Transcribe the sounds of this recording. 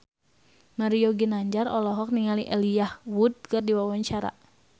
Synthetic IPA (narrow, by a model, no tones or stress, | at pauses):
maɾioɡinaɲd͡ʒarɔlɔɦɔk̚niŋaliʔeliahwud̪̚ɡardiwawaɲt͡ʃaɾa̰